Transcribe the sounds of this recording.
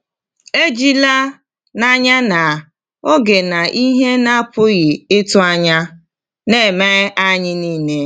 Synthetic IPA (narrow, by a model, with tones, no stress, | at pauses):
e˦d͡ʒi˦la˦ | na˦ɲa˦na˨ | o˦ɡe˨na˨ʔi˦ɦe˦na˦pʊ˦ɣɪ˨ɪ˦tʊ˦a˦ɲa˦ | ne˦˨me˦ʔa˦ɲɪ˦niː˦ne˦